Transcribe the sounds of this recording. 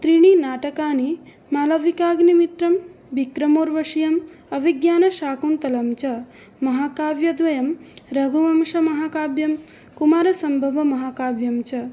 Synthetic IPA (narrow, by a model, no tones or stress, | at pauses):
t̪ɾiɳinaːʈɐkaːni | maːlɐʋikaːɡnimit̪ɾɐm | bikɾɐmoːɾʋɐʂijɐmɐʋiɡjaːnɐʃaːkunt̪ɐlɐmt͡ʃɐ | mɐɦaːkaːʋjɐd̪ʋɐjɐmɾɐɡʱuʋɐmʃɐmɐɦaːkaːbjɐm | kumaːɾɐsɐmbʱɐʋɐmɐɦaːkaːʋjɐmt͡ʃɐ